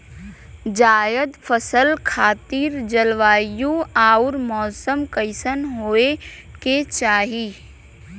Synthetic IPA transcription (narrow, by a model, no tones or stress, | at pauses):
d͡ʒaːjəd̪pʰəsəlkʰaːt̪iːɾd͡ʒəlʋaːjũaːʊɾmɔːsəmkəɪsənɦoːe | ket͡ʃaːɦiː